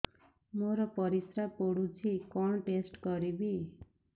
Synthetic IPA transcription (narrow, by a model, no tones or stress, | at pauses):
moɾɔpɔɾisɾapoɽud͡ʒʰikɔɳʈesʈkɔɾibi